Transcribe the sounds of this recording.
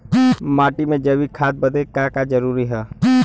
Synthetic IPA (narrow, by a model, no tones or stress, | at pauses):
maːʈimẽd͡ʒəʋikʰaːt̪̚bəd̪ekãːkad͡ʒəɾuːɾiɦɛː